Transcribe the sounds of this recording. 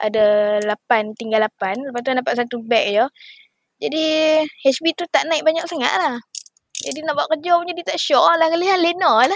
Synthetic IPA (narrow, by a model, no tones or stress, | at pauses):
ʔa̰dalapant̪iŋɡalapanləpast̪̬uandapaʔ̪sat̪ubɛk̚jɔ | d͡ʒadiɛsbit̪ut̪aʔnaiʔ̚baɲak̚saŋa̰ʔ̪lah | d͡ʒadinaʔbaʔkəd͡ʒɔpuɲd͡ʒadit̪aʔʃɔlahkaliɦanlenɔla